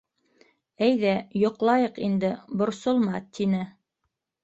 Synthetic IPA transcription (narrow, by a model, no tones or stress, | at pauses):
æjðæjŏqlˠɑjɤqind̪ɘbŏɾsolˠmɑt̪ʰinɘ